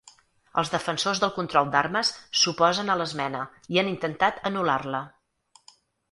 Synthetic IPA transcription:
ə̰lˠzðəfənsozðəlˠkunt̪ɾɔlˠd̪arməsːupɔzənələzmɛnə | ianint̪ənt̪at̪ənularlə

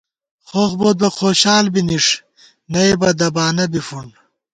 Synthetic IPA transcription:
χoːxboːt̪̚bɐxoːɕaːlbiniʂ | nɐebɐd̪ɐbaːnɐbifuɳ

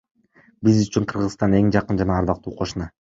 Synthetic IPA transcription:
bizyt͡ʃyɴqʰɯɾʁɯzst̪ɑne̞ŋd͡ʒɑqɯnd͡ʒɑnɑːɾd̪ɑq̚t̪uːqʰo̞ʃunɑ

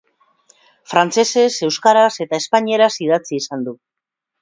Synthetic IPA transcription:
fɾant͡se̞se̞se̞wskaɾase̞t̪aespaɲie̞ɾasið̞at͡siːsand̪u

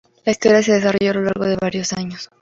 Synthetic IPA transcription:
laist̪o̞ɾjas̬e̞ð̞es̬aroʝo̞alo̞laɾɣo̞ðe̞βaɾjo̞saɲos

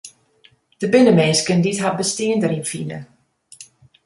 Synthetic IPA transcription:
d̥əbɪnəmeːskənditɦabəstɪəndəɾinfinə̰

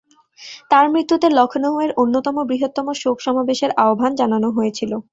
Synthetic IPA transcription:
t̪aɾmɾit̪ːut̪elɔkʰnoɦoeɾʔonːot̪ɔmobɾiɦot̪ːɔmoʃokʃɔmabeʃeɾaobʱand͡ʑananoɦojet͡ɕʰilo

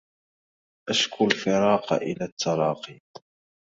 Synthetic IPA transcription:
ʔaʃkʰʊlfɪɾˤɑːqɑ̰ʔɪlat̪ʰːɑɾˤɑːqiːd

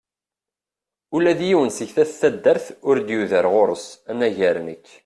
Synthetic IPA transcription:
ulæðjiwənsəçθæθθæd̪ːəɾθʊɾd̪juðəɾʁoɾˤəsænæʝæɾnəkː

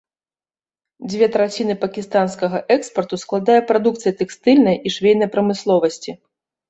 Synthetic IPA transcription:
d͡zʲvʲɛt̪ɾat͡sʲinɨpɐkʲist̪anskɐɣɐʔɛkspɐrt̪usklˠad̪ajɐpɾad̪ukt̪sɨjɐt̪ɛkst̪ɨlʲnɐjʔiʂvʲejnɐjpɾɐmɨslˠɔvɐsʲt͡sʲi

